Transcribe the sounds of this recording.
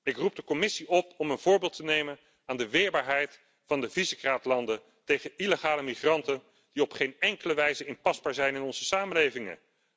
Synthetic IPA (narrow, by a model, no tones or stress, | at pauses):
ɪkrub̚dəkɔmɪsiɔp̚ɔmənvʊːɹbɪːlˠtənejmən | aːndəʋɪːɹbaːɹɦɛjt | fɑndəvizəkraːtlɑndə | tejχəiləχaːləmiχrɑntən | d̥iɔpχejnɛŋkələʋɛjzəɪnpɑzbaːɹzɛjnɪnɔnz̥əsaːməlejvɪŋə̰